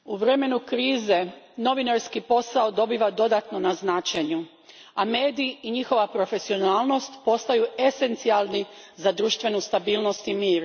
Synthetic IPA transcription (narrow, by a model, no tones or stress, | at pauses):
uʋɾe̞me̞nukɾiːze̞ | no̞ʋinaɾskipo̞saod̪o̞biːʋad̪o̞d̪at̪no̞naznaːt͡ʃeɲu | ame̞ːd̪iːɲixo̞ʋapɾo̞fe̞sio̞naːlno̞st̪po̞st̪ajue̞se̞nt̪sialˠni | zad̪ɾuːʃt̪ʋe̞nust̪abiːlˠno̞st̪imiːɾ